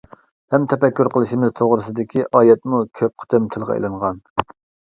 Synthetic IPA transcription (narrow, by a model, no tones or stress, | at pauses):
hɛmt̪ʰɛpɛkʲːyɾqʰəlˠɨʃimɪzt̪ʰoʁɾɨsɨd̪ɪkʲʰiʔɑːjɛt̪mukʲʰøp̚qʰə̥t̪ʰɪmt̪ʰɨlˠʁɑ̰ḛlɨŋʁɑn